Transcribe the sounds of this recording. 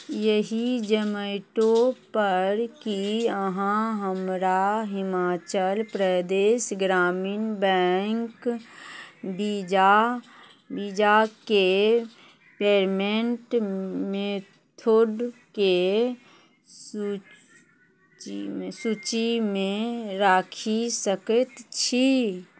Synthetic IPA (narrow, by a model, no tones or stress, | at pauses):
jəɦid͡ʒəməɪʈõpəɾkiəɦãɦəmɾaɦɪmaːt͡ʃəlpɾəd̪eːʃɡɾaːmiːnbɛŋk | bid͡ʒa | bid͡ʒake | peːɾmẽɳʈme | t̪ʰoɖke | su | t͡ʃisut͡ʃimẽɾaːkʰisəkət̪t͡ʃʰi